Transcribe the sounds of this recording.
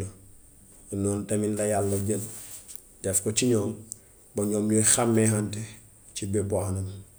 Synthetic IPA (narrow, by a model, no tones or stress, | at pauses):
nɔːntɐminlɐjalːɐɟən | d̥ɛfkɔt͡ʃiɲɔːm | bɐɲɔːmjɔjxamːɛɦantɛ | cibɛbanɐm